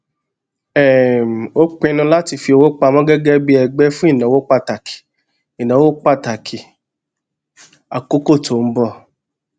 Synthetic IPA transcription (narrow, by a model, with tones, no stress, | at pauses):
ɛ˦˨m̩˨o˦k͡pẽ˦˧nũ˧la˦ti˧fi˧o˧wo˦k͡pa˧mɔ̃˦ɡɛ˦ɡɛ˦bi˦ɛ˧ɡ͡bɛ˦fũ˦i˦˨nã˨˦wo˦k͡pa˧ta˨kʰi̥˨ | i˨nã˨˦wo˦k͡pa˦˨ta˨kʰi˨ | a˨ko˦ko˦˨to˨m̩˦bɔ˦˨